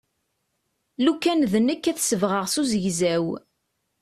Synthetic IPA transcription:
lukːænðənəkːæθsəvʁəʁsuzəʝzæw

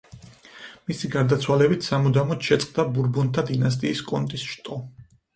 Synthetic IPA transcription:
misiɡaɾd̪at̪sʰwalɛbit̪ʰsamud̪amɔt̪ʃɛt̪sʼqʼd̪abuɾbɔnt̪ʰad̪inas̬t̪ʼiːskʼɔnt̪ʼisʃt̪ʼɔ

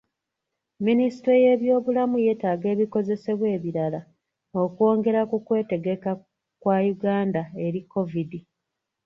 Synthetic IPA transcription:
minisi̥tɾeje̞ːβjo̞ːβulamuje̞ːtaːɡe̞ːβiko̞ze̞se̞βwe̞ːβiɾala | o̞kuo̞ːŋɡe̞ɾakukwe̞ːte̞ɡe̞ka | kwajuɡaːndae̞ɾikːo̞vidi

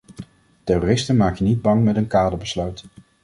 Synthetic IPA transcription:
tɛrorɪstənmaːkənid̚bɑŋmɛtənkaːdəɹbəslœɥt

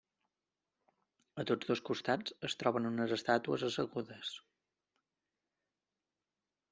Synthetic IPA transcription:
ət̪od͡zðoskust̪ad͡zəst̪ɾɔβənunəzəst̪at̪uəzəsəɣuðəs

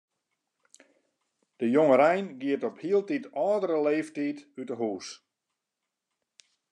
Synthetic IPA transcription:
d̥əjoŋəɾɛjnɡiətɔphiəlˠtitɔːdəɾəleːftiːtytəɦuːs

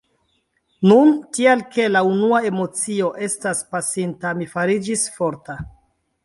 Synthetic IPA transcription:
nuntialke̞launuae̞mo̞t͡sio̞ʔe̞staspasintamifaɾid͡ʒisfo̞ɾta

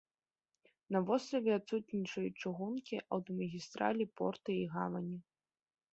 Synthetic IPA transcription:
nɐvɔst̪ɾɐvʲɛat̪sut̪nʲit͡ʂɐjut͡ʂɨɣunkʲiʔɐwt̪ɔmɐɣʲist̪ɾa̰lʲipɔ̰rt̪ɨiɣavɐnʲi

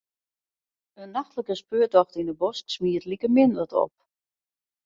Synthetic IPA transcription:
ənːaxtləkəspøːətɔxtinəbɔsksmiːətlikəmɪndətɔ̰p̚

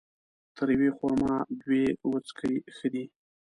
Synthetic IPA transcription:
t̪ʰəɾjwexoɾmɑd̪wewət͡skʰəixəd̪i

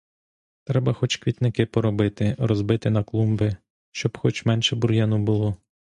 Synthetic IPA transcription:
t̪ɾɛbɐxɔt͡ʃkʋʲit̪nɪkɪpɔɾɔbɪt̪ɪrɔzbɪt̪ɪnɐklˠumbɪ | ʃt͡ʃɔbxɔt͡ʃmɛnʃɛbuɾjɛnʊbʊlˠɔ

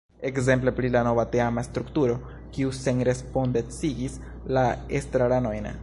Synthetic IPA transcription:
e̞kze̞mple̞pɾilano̞vateamast̪ɾuktuɾo̞ | kiuse̞nɾe̞spo̞ndent͡siɡis | laestɾaɾano̞jna̰

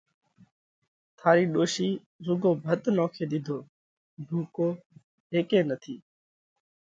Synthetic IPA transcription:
t̪ʰaːɾiːɗoːʃiː | zʊɡoːbʱət̪nɔːkʰeːɗ̪ɪd̪ʱoː | ɖʱuːkoː | ɦeːkeːnət̪ʰiː

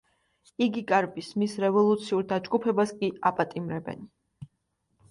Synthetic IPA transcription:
iɡikʼaɾbismisɾɛvɔlˠut̪sʰiuɾd̪ad͡ʒɡupʰɛbaskʼiapʼat̪ʼimɾɛbɛ̰n

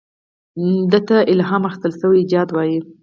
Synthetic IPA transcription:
d̪ət̪aʔɪlɦɑmaxɪst̪əlsəwid͡ʒɑd̪wɑji

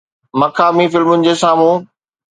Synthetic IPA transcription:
mɐkʰaːmifɪlmʊnɪ̆d͡ʑeːsaːmũː

